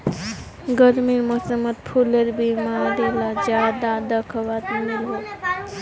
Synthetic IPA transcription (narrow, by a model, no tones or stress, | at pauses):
ɡəɾmiɾməsəmət̪pʰuleɾbimaɾilad͡ʒjad̪ad̪əkʰbat̪milɦo